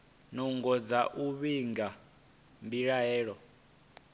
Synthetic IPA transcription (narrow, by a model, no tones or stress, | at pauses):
nuŋɡɔd͡zaʔuβiŋɡa | mbiɺaɦɛːɺɔ